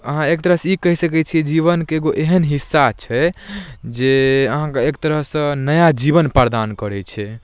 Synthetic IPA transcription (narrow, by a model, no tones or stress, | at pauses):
əɦãek̚t̪əɾəɦsikəɦisəkɛt͡ʃʰiɛd͡ʒiβənkeːɡoʔeɦənɦisːat͡ʃʰɛ | d͡ʒeəɦãkeekt̪əɾəɦsə̃nəjad͡ʒiβənpəɾd̪ankəɾɛt͡ʃʰɛ